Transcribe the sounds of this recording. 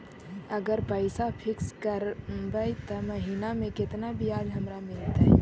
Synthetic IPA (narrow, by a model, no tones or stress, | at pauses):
əɡəɾpəɪsapʰɪkskəɾmbəit̪ɐməɦiːnamẽkɪt̪nabiaːd͡ʒɦɐmɾamɪlt̪aɦɛ̰